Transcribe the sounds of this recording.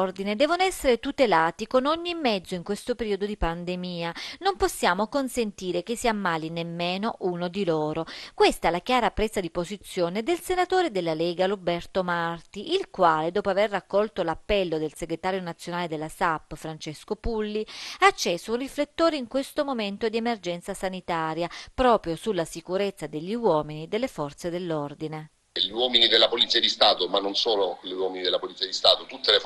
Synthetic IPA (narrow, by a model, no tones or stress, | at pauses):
rd̪ined̪ɛːvonoɛsːeɾet̪ut̪elaːt̪ikonoɲːimːɛd̪zːoiŋkwest̪opeɾiːod̪od̪ipand̪emiːanomposːjaːmokonsent̪iːɾek̟esːiamːaːlinemːeːnoʔunod̪iloːɾokwest̪aɛlakjaːɾapːɾɛzad̪ipozit̪sːjoːned̪elsenat̪oːɾed̪elːalɛːɡalobɛrt̪omart̪iʔilkwaːled̪oːpoaverːakːɔlt̪olapːɛlːod̪elseɡɾet̪aːɾjonat̪sːjonaːled̪elːasapːfɾant͡ʃeskopulːiat͡ʃːɛːsounriflet̪ːoːɾeiŋkwest̪omoment̪od̪iemerd͡ʒɛnt̪sasanit̪aːɾjapɾɔːpɾjosulːasikuɾet̪sːad̪eʎːiwɔːminid̪elːefɔrt̪sed̪elːord̪ine | ʎiwɔːminid̪elːapolit̪siad̪ist̪aːt̪omanːonsoːloliwɔːminid̪elapolit̪siad̪ist̪aːt̪ot̪ut̪ːele